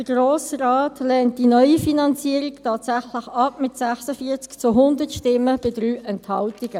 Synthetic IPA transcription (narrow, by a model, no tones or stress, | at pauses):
d̥əɡɾoːsraːtlɛːnt̚d̥inœʏifinɑnt͡siəɾiktʰɑːtsæχləχɑpmɪtsɛχsəfiːət͡skt͡sʊɦʊndətʃtɪmːəb̥ɪdɾyːʔɛnthɑltiɡə